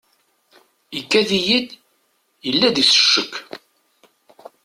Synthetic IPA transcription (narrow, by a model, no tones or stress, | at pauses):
ikːæðijid̪ | jəlːæd̪isə̥ʃːəkː